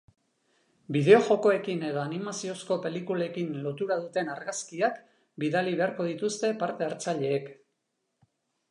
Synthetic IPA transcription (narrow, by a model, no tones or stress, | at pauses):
biðe̞o̞ʝo̞ko̞e̞kine̞ð̞o̞animasio̞sko̞pe̞likulaekinlo̞t̪uɾað̞ut̪e̞naɾɣaskiak | biðaliβe̞aɾko̞ðit̪ust̪e̞paɾt̪e̞aɾt͡saʎe̞ːk